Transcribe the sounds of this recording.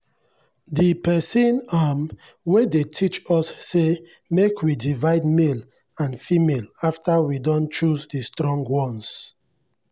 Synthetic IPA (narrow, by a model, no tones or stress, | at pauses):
dipɛsĩnam | wedetʰit͡ʃɔsːe | mekʰwidivaɪdmel | ãnfimelaftawidɔ̃nt͡ʃusdistɹɔ̃ŋɡwɔ̃ns